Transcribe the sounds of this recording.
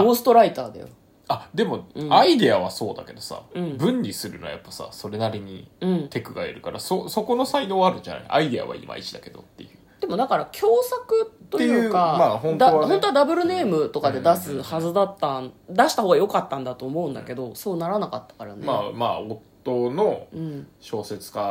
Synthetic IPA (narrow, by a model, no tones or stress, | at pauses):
oːsɨ̥t̪o̞ɾait̪aːd̪a̰jo̰ | ad̪e̞mo̞ɯ̟̃aid̪eaβaso̞ːd̪ake̞d̪o̞sa̰ɯ̟̃ɴbɯ̟̃ɲɾʲisɨɾɯ̟noaja̰pːḁsa̰so̞ɾe̞naɾʲiɲ̟ḭɯ̟̃ɴt̪e̞kɯ̟ɡaeɾɯ̟kaɾasoso̞ko̞no̞saino̞ːβaɾɯ̟ɲd͡ʑana̰iʔa̰id̪ea̰βa̰ḭmʔa̰it͡ɕi̥d̪ake̞d̪o̞̰t̪ːe̞jɯ̟ːd̪̥e̞mo̞d̪akaɾakʲʰo̞ːsakɯ̟t̪ːo̞ejɯ̟ːkamaːɦõ̞nd̪hõ̞nt̪oad̪abɯ̟ɾɯ̟ne̞ːmɯ̟t̪o̞kad̪e̞d̪asɨhazɨd̪at̪ːand̪aɕi̥t̪ahoːɡajo̞kat̪ːãnd̪at̪o̞ːmo̞ɯ̟̃nd̪ake̞d̪o̞so̞ːnaɾanakat̪ːḁkaɾa̰neamaːo̞t̪ːono̞ɯ̟̃ɴɕo̞ːse̞t͡sɨ̥ka